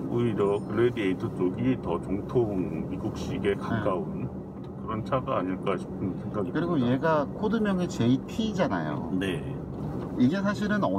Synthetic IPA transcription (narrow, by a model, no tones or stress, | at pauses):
uiɾjʌkɯɾedieitʰɯt͡ɕ͈oɡitʌt͡ɕoŋtʰoŋmiɡuk̚ɕ͈iɡe̞kak͈aun | kɯɾʌnt͡ɕʰaɡaːɲiɭk͈aɕʰi̥pʰɯnnsʰe̞ŋɡaɡikɯɾiɡoje̞ɡakʰodɯmjʌŋet͡ɕe̞itʰiːd͡ʑana̰jo̰ne̞ | iɡe̞s̬ʰaɕ̬ʰiɾɯnʌ